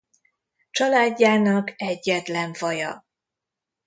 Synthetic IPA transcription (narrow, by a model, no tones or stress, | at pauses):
t͡ʃɒlaːɟːaːnɒkɛɟːɛt̪lɛɱvɒjɒ̰